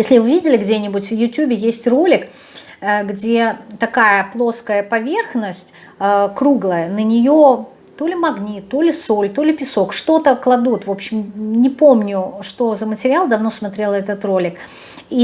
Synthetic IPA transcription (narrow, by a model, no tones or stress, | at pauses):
jesʲlʲɪvɨvʲidʲɪlʲɪɡdʲe̞nʲɪbʊtʲvjʊtʲubʲɪjesʲtʲro̞lʲɪk | əɡdʲe̞t̪ɐkajəplˠo̞skəjəpɐvʲerxnəsʲtʲ | əkɾuɡlˠəjənənʲɪjo | t̪o̞lʲɪmɐɡnʲit̪ːolʲɪso̞lʲt̪o̞lʲɪpʲɪso̞kʂt̪o̞t̪əklˠɐd̪ut̪vo̞pɕːɪmnʲɪpo̞mnʲʊʂt̪o̞zəmətʲɪɾʲɪalˠd̪ɐvno̞smɐt̪ɾʲe̞lˠɛt̪ət̪ro̞lʲɪk | i